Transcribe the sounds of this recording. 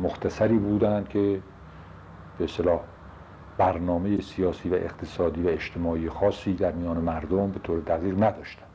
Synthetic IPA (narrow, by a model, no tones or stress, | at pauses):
moxt̪ʰæsæɾiːbuːd̪ænd̪̥̚kʰe̞ | b̥eest̪elɒːh | b̥æɾnɒːme̞jesijɒːsiːvæʔeqt̪ʰe̥sɒːd̪iːvæeʃt̪ʰe̞mɒːiːjexɒːsːiːd̪æɾmijɒːnemæɾd̪ombe̞t̪ʰoːɾed̪æɣiːɣnæd̪ɒːʃt̪æ̥nd̪̥